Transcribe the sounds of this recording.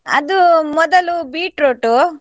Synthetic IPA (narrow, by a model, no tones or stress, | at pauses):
ɐ̰d̪umɔd̪ɐlubiːʈɾoːʈu